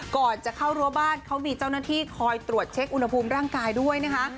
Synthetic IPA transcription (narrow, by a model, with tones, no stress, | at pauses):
kɔː˨˩nt͡ɕa˨˩kʰa˥˩wɾu˥əbaː˥˩nkʰa˦˥wmiː˧t͡ɕaː˥˩wnaː˥˩t̪ʰiː˥˩kʰɔː˧jt̪ɾu˨˩ət̪̚t͡ɕʰe˦˥k̚ʔu˧nha˧pʰuː˧mɾaː˥˩ŋkaː˧jdu˥˩əjna˦˥kʰa˦˥ʔ